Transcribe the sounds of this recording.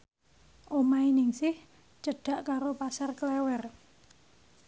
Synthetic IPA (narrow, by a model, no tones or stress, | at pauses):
ʔomainɪŋsɪh | t͡ʃəɖ̥a̤ʔkaɾopasarklɛwɛr